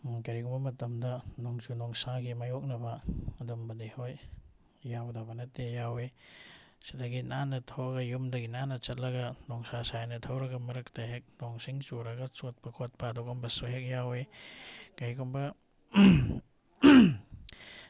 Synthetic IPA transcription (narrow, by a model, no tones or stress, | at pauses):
kɐɾiɡɔmbɐmɐtɐmdɐnɔŋt͡ʃunɔŋsaɡimɐjɔk̚nɐbɐːdɔmbɐdihojː | awdabɐnɐtejawe | si̥daɡinanɐtʰɐwɾɐɡɐjumdɐɡinanɐt͡ʃɐt̚lɐɡɐnɔŋsasajnɐtʰɐwɾɐɡɐmɐɾɐktaɦek̚nɔŋsiŋt͡ʃuɾɐɡɐt͡ʃot̚pɐkʰot̚pɐːdɔɡɔmbɐsoɦek̚jawe | kajɡumbɐ